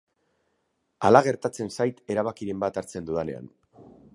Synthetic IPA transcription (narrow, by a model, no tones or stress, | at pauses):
alaɣ̞e̞ɾt̪at͡se̞nsajt̪e̞ɾaβ̞akiɾe̞mbat̪aɾt͡se̞nd̪uðane̞̰a̰n